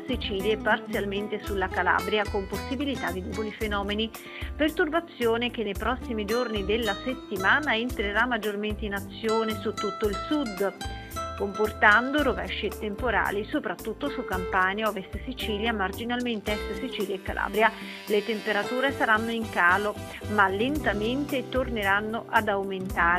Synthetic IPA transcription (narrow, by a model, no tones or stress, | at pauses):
sit͡ʃiːljaepart̪sjalment̪esulːakala̰ːbɾjakomposːibilit̪ad̪id̪upolifenɔːmeni | pert̪urbat̪sːjoːnekenːejpɾɔsːimid͡ʒornid̪elːaset̪ːimaːnaent̪ɾeɾamːad͡ʒːorment̪einat̪sːjoːnesut̪ːut̪ːoilsud̪ | komport̪and̪oɾovɛʃːet̪empoɾa̰ːlisopɾat̪ːut̪ːosukːampaːnjaɔvest̪sit͡ʃiːljamard͡ʒinalment̪eɛst̪sit͡ʃiːljaekːalʔa̰ːbɾja | let̪empeɾat̪uːɾesaɾanːoiŋkaːlo | malːent̪ament̪et̪orneɾanːoʔad̪awment̪aːɾ